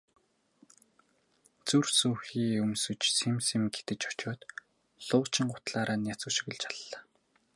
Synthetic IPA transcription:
t͡sursuːxiːɵmsɵ̆t͡ɕsemsemɡet̪ɘ̆t͡ɕɔ̥t͡ɕʊːt̪ | ɮʊːt͡ɕɪ̆ŋɢʊ̥t̪ɮaːɾaːnjat͡sŭʃĭɣɘ̆ɮt͡ɕʰaɮːaː

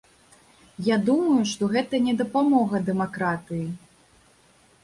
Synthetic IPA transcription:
jad̪umɐjuʂt̪ɔɣɛt̪ɐnʲɛd̪ɐpamɔɣɐd̪ɛmakɾat̪ɨji

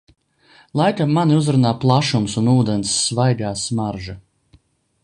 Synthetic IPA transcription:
lˠajkamːaniuzɾunaːplˠaʃumsunuːd̪ɛnsːvajɡaːsmaɾʒa

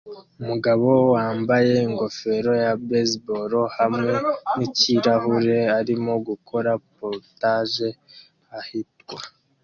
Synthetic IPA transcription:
umuɡaβo̞waːmbaje̞iŋɡo̞fe̞ɾo̞jabesbo̞ɾo̞hamŋe̞niciɾaɦuɾe̞aɾimo̞ɡukʰo̞ɾapoɾtaʒe̞ | hahitɡwa

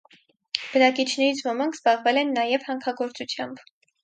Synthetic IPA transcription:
b̥ənɑkit͡ʃʰnɛɾit͡sʰvɔmɑŋkʰz̥bɑʁvɛlɛnːɑjɛvhɑŋkʰɑɡɔɾt͡sut͡sʰjɑmb

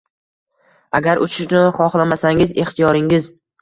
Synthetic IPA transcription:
aɡʲaɾʔʊt͡ʃʰɪʃɪnχɒχlamasaŋɪze̞χt̪ijɒɾɪŋɪz

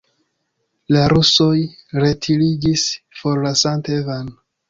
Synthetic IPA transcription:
laɾuso̞jɾe̞tʰiliɡisfo̞ɾlasantevan

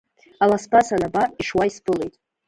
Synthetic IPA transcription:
alaspʰasanabapʼiʂwaispʰɨlejtʼ

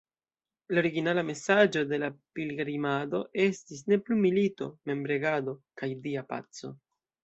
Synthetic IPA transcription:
laoɾiɡinalame̞sad͡ʒo̞de̞lapilɡɾimado̞ʔe̞stis̬ne̞plumilito̞me̞mbɾe̞ɡado̞kajdiapa̰t͡so̞̰

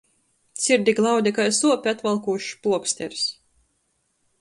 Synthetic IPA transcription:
sʲiɾd̪ʲiɡlˠawd̪ʲikajsuɔpʲiat̪valˠkuʃpuɔksʲt̪ʲɛɾs

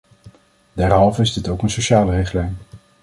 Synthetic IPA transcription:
dɛɹɦɑlˠvəɪzdɪtowkənsowʃaːlərɪχtlɛjn

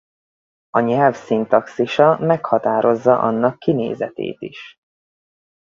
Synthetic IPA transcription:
ɒɲɛlfsint̪ɒksiʃɒmɛkhɒt̪aːɾo̞zːɒʔɒ̰nːɒkːinḛːzɛt̪ḛːt̪iʃ

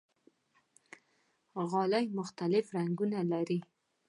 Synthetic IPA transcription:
ɣɑlajmʊxt̪alɪfɾaŋɡunalaɾi

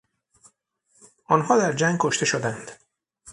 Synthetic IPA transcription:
ʔɒːnɦɒːd̪æɾd͡ʒæŋɡ̚kʰoʃt̪e̞ʃod̪ænd̪̥

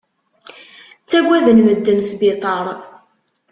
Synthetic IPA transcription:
t͡sːæɡʷæðənməd̪ːəmsbɪt̪ˤɑɾˤ

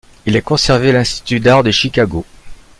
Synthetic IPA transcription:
ilɛkɔ̃sɛʁvelɛ̃st̪i̥t̪yd̪aʁd̪əʃikaɡo

